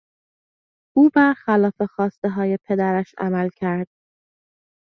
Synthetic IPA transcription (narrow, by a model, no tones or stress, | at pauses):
ʔuːvæxælɒːfe̞xɒːst̪e̞ɦɒːje̞pʰe̞d̪æɾæʃæ̰mælcʰæɾd̪̥̚